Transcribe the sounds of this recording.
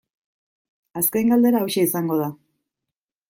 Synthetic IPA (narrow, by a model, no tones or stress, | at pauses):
askejŋɡald̪e̞ɾaawʃeisaŋɡo̞ð̞a